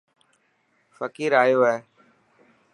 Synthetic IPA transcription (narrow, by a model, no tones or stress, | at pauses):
fəkiːɾaːjoːɦɛː